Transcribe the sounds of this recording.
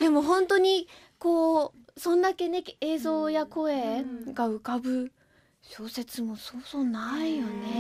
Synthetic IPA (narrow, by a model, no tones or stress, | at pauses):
d̪̥e̞mo̞ɦõ̞nt̪o̞ɲ̟i | ko̞ː | sõ̞nd̪ake̞nekeːzo̞ːjako̞eːɡaɯ̟kabɯ̟ | ɕoːse̞t͡sɨmo̞soːsoːnaijone̞